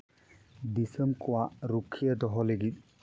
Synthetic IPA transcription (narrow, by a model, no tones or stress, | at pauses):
disɛmbkʊwaɹukʰːijɛdɔɦɔleɡit̪̚